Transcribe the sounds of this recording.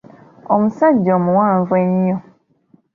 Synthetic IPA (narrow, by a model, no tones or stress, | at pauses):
ɔmũsad͡ʒɔmũwãːɱvwɛɲɔ